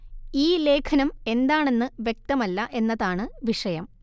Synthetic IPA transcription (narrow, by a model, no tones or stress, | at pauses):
iːle̞ːkʰɐnɐme̞nd̪aːɳe̞nːɨʋjek̚t̪ɐmɐlːɐʔe̞nːɐðaːɳɨʋiʂɐjɐm